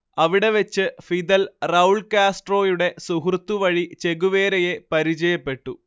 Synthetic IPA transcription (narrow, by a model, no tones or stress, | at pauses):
ɐʋiɽe̞ʋet͡ɕːɨfid̪ɐlrɐwuɭkaːsʈro̞ːjuɽe̞suɦrut̪ːuʋɐɻit͡ɕe̞ɣuʋe̞ːɾɐje̞pɐɾit͡ɕɐjɐpːe̞ʈːu